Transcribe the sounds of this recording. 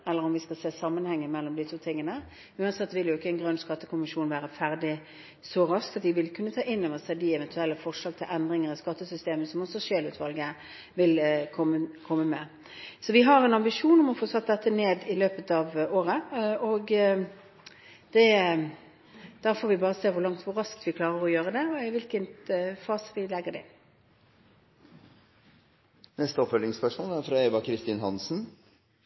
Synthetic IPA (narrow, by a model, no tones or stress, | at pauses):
ɛlːəʁɔmʋɪskɑlseːsɑmːənhɛŋːəmɛlːɔmd̪it̪ʰuːt̪ʰɪŋːənə | ʉːɑnsɛt̪ːʋɪljʊɪkːəɛnɡʁœnːskɑt̪ːəkʰʊmɪʂuːnʋæːɾəfæʁd̪ɪ | sɔɾɑskt̪ɑt̪ʋɪʋɪlkʰʉnːət̪ʰɑːʔɪnːɔʋəsæd̪ɪɛʋɛnt̪ʰʉɛlːəfɔʁʂlɑːɡt̪ʰɪlʔɛnd̪ɾɪŋəʁɪskɑt̪ːəsʏst̪eːməsɔmɔsɔʃeːlʉːt̪ʰʋɑlɡə | ʋɪlkʰɔməkʰɔmːəmɛ | sɔʋɪɦɑɾɛnɑmbɪʂuːnɔmɔfoːsɑt̪ːd̪ɛt̪ːəneːd̪ɪløːpət̪ɑːʋoːɾəɔɡ | d̪̥ɛ | d̪̥æːɾfoːɾʋɪbɑːʁəseːʋʊɾlɑŋt̪ʋʊɾɑsk̚t̪ʋɪklɑːɾəɾɔjøːɾəd̪ɛɔɪʋɪlkənfɑːsʋɪlɛɡːəd̪ɛɪ̰n | nɛst̪əɔpfœlɪŋspœʂmoːlæɾfɾɑɛːʋɑkʰɾɪst̪iːnɦɑnsn̩